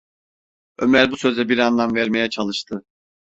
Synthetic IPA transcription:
ømæɾbusø̞zɛbiɾanlˠamvæɾme̞jɛt͡ʃʰalˠɯʃt̪ʰɯ

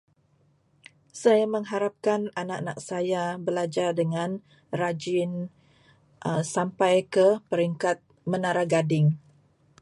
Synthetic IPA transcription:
sajamə̃ŋɦaɾap̚kananaʔnak̚sajabəlad͡ʒardəŋãn | rad͡ʒɪn | ʔəsampajkəpəɾiŋkat̪̚ | mənaɾaɡadɪŋ

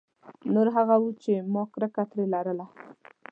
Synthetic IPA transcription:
noɾɦaɣawut͡ʃemɔkɾəkat̪ɾelaɾəla

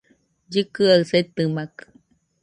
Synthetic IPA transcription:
d͡ʒɨkɨaɯset̪ɨmakɯ̥

